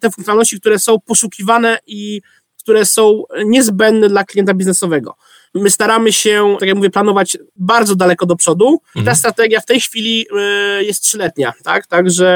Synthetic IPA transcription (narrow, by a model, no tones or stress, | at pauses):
t̪ɛfuŋk̪jɔnalnɔɕt͡ɕik̚t̪uɾɛsɔ̃w̃pɔʂukʲivanɛi | kt̪uɾɛsɔ̃w̃ɲɛzbɛnd̪nɛd̪laklʲijɛnt̪̬abʲiznɛsɔvɛɡɔ̰ | mɘst̪aɾamɘɕɛakjakmuvjɛplanɔvad͡ʑbaɾd̪zɔd̪alɛkɔd̪ɔpʂɔd̪uit̪ast̪ɾat̪ɛɡʲjaft̪ɛjxfʲilʲijɛst̪tʂɘlɛt̪ɲat̪a̰kt̪aɡʐɛ